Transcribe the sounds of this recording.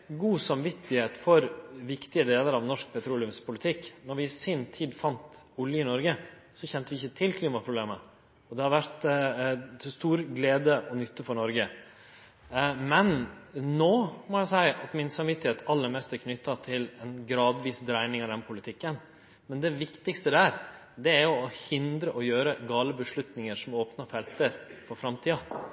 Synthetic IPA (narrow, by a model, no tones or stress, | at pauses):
ɡuːsɑmʋɪt̪ːɪheːt̪fɔɾʋɪkt̪ɪəd̪eːləɾɑʋnɔʂk̚pʰɛt̪ʰɾuːlɪʉmspʰʊlɪt̪ʰɪkːnɔɾʋɪsiːnt̪ʰiːd̪fɑnt̪ʊljəɪnɔɾɡə | sɔçɛnt̪əʋɪɪçːət̪ʰɪlkʰliːmɑpʰɾʊbleːmə | ɔd̪ɛhɑɾʋæɾt̪ | t̪ʰst̪uːɾɡleːd̪əʔɔnʏt̪ːəfɔɾɳɔɾɡə | mɛnnoːmɔjæɪsæɪɑt̪mɪnsɑmʋɪt̪ːɪheːt̪ʰɑlːəɾmɛst̪æɾkʰnʏt̪ːɑt̪ʰɪlɛnɡɾɑːd̪ʋiːsd̪ɾæɪnɪŋɑd̪ɛnpʰʊlɪt̪ʰɪkːən | mɛnd̪ɛʋɪkt̪ɪkst̪əd̪æːɾ | d̪ɛæɾjʊɔhɪnd̪ɾəʔɔjøːɾəɡɑːləbəʂɭʉt̪nɪŋəɾʂɔmoːpnɑfɛlt̪əɾfɔɾfɾɑmt̪ʰiːɑ